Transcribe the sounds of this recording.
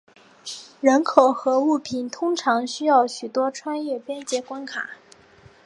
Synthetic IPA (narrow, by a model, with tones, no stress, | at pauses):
ɻə˧˥nkʰo˨˩ʊxɤ˧˥u˥˩pʰi˨˩nt̪ʰʊ˥ŋʈ͡ʂʰɑ˧˥ŋɕy˥jɑ˥˩ʊɕy˨˩t̪wɔ˥ʈ͡ʂʰwa˥˧njɛ˥˩pjɛ˥nt͡ɕjɛ˧˥kwa˥nkʰa̰˨˩˦